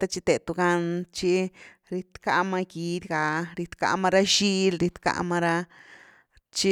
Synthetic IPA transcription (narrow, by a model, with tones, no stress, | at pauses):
t̪a˦t͡ʃi˧t̪e˨t̪u˧ɡa˧nt͡ʃi˧ | ɾi˧t̪ka˧ʔma˧ɡi˧d̪ʲɡa˨ɾi˧t̪ka̰˧ʔmã˦˧ɾa˦ʃi˦lɾi˧t̪ka̰˧ma˧ɾa˧ | t͡ʃi˧